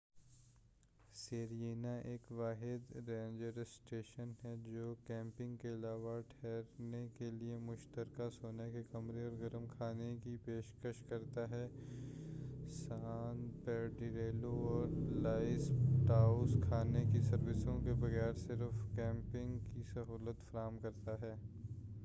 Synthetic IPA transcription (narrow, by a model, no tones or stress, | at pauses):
seːɾjeːnaʔeːkʋaːɦɪd̪ɾẽːɲd͡ʒəɾsʈeːʃənɦɛd͡ʒoːkɛ̃ːmpɪ̃ŋɡkeɐlaːʋaʈʰɛːɾnekeliemʊʃt̪əɾkasoːnekekɐmɾeɔːɾɡɐɾəmkʰaːnekipeːʃkəʃkɐɾt̪aɦɛː | saːnpɛːɾɖiɾeːloɔːɾlaːɪsʈaːʊskʰaːnekisɐɾʋɪsõkebɐɣɛːɾsɪɾfkɛ̃ːmpɪ̃ŋɡkisɐɦuːlət̪fɐɾaːmkɐɾt̪aɦɛː